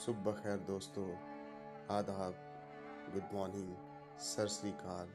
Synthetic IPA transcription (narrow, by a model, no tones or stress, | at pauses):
sʊbːɐxɛːɾd̪oːst̪oː | aːd̪aːk̚ | ɡʊd̪maːniː | sɐɾsliːkaːl